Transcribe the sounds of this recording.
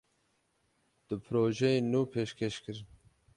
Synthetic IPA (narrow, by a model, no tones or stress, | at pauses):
d̪̥ɨpʰɾoːʒejenuːpʰeːʃkʰeʃkɨɾ